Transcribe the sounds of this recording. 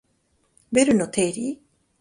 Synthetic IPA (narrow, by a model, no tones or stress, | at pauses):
beɾɯnot̪ʰeɾi